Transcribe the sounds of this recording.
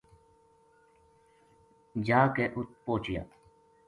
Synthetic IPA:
d͡ʒaːkeʔʊt̪̚poːt͡ʃja̰ː

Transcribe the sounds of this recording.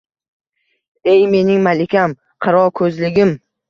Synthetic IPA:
e̞jme̞nɪŋmalɪkʲʰam | qʰɨɾɒkʰɵzlɪɡʲɪm

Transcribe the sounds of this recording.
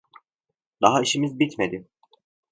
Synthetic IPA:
d̪aɦaiʃimizbit̪me̞d̪i

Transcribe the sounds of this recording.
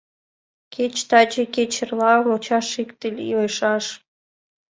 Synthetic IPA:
ket͡ɕt̪ɑt͡ɕeket͡ɕə̆rlɑəmot͡ɕɑʃikt̪əlʲiojʃɑʃ

